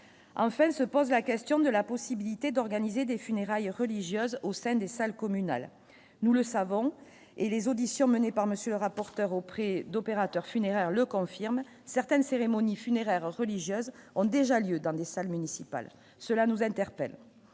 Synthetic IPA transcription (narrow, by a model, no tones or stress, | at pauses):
ɑ̃fɛ̃səpɔzlakʲɛst̪jɔ̃d̪əlapɔsibilit̪ed̪ɔʁɡanized̪efyneʁajʁəliʒjøzosɛ̃d̪esalkɔmyna̰l | nuləsavɔ̃ | elezod̪isjɔ̃mənepaʁməsjøləʁapɔʁt̪œʁopχɛd̪ɔpeʁat̪œʁfyneʁɛʁləkɔ̃fiʁm | sɛʁt̪ɛnseʁemɔnifyneʁɛʁːəliʒjøzɔ̃d̪eʒaljød̪ɑ̃d̪esalmynisipa̰l | səlanuzɛ̃t̪ɛʁpɛl